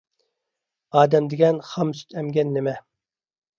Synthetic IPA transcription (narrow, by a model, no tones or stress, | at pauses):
ɑːd̪ɛmd̪ɪɡʲɛnχɑmsy̥t̪ʰɛmɡʲɛnːɪmɛ